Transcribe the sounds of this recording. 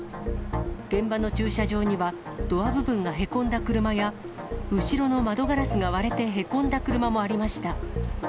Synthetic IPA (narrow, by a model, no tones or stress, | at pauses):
ɡ̥ẽ̞mbano̞t͡ɕɨːɕaʑo̞ːɲ̟iβa | d̪̥o̞βabɯ̟bɯ̟̃ŋɡaɦe̞kõ̞nd̪akɯ̟ɾɯ̟maja | ɯ̟ɕiɾo̞no̞mad̪o̞ɡaɾasɨɡaβaɾe̞t̪e̞ɦe̞kõ̞nd̪akɯ̟ɾɯ̟mamo̞aɾʲimaɕi̥t̪a